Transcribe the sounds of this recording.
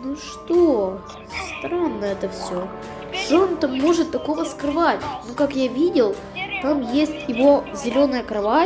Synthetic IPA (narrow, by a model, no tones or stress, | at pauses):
nuʂt̪o | st̪ɾanːəɛt̪əfsʲɵ | ʂont̪amːo̞ʐɨt̪ːɐko̞vəskɾɨvatʲnukakjavʲidʲɪlˠ | t̪amjesʲtʲjɪvo̞zʲɪlʲo̞nəjəkɾɐva